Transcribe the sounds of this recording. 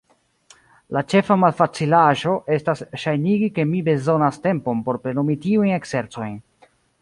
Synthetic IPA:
lat͡ʃe̞famalfat͡silaʒo̞ʔe̞stasʃajniɡike̞mibe̞zo̞naste̞mpo̞mpo̞ɾpɾe̞nomitiujnekse̞ɾt͡so̞jn

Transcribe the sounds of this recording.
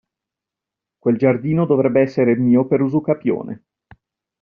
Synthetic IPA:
kweld͡ʒard̪iːnod̪ovɾɛbːeɛsːeɾemiːopeɾuzukapjo̰ːnḛ

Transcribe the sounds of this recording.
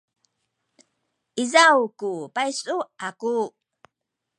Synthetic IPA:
ʔizawkupajsuaku

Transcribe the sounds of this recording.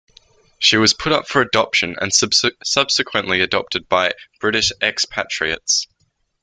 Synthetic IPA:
ʃiwɒz̥pʰʊɾʌpfəɹədɒpʃə̃nə̰̃nsʌb̥sɪkʰwə̃nʔliədɒ̰p̚tʰɨd̚baɪb̥ɹɪɾɪʃɛkspʰa̰t͡ʃɹ̥iə̰ts

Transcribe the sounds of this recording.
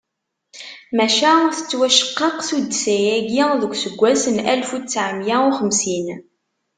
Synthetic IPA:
mæʃæθə̥t͡sːwæʃə̥qːɑqsud̪sæjæɡiðəɡʷsəɡʷːæsənælfut͡sːʕəmjæʊχəmsin

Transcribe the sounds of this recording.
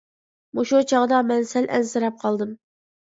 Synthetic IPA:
muʃut͡ʃʰɑʁd̪ɑmɛnsælʔɛnsɨɾɛp̚qʰɑlˠd̪ɨm

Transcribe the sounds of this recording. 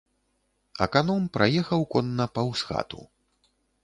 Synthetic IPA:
ɐ̰kanɔmpɾʔajɛxɐwkɔnːɐpɐwsxa̰t̪ṵ

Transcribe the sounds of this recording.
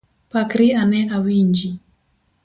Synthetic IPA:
pakɾianɛʔawiɲd͡ʒi

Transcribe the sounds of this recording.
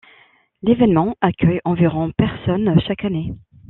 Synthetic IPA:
levɛnmɑ̃akʲʰœjɑ̃viʁɔ̃pɛʁsɔnʃakane

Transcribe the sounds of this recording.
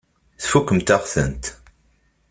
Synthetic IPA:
θfukːəmt̪aʁθə̰nt̪

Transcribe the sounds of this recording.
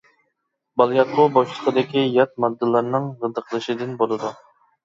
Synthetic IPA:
bɑlˠjɑt̪̚qʰobɑʃlˠəqʰəd̪ɪkʲijɑt̪̚mɑd̪ːɨlˠɑɾnɨŋʁəd̪əqʰəlˠɨʃɪd̪ɨnbolˠɨd̪u

